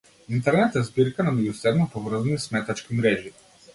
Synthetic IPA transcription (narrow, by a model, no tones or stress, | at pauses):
int̪ɛɾnɛt̪ɛzbiɾkananɔɡusɛbnopovr̩znismɛt̪at͡ʃkimɾɛʒi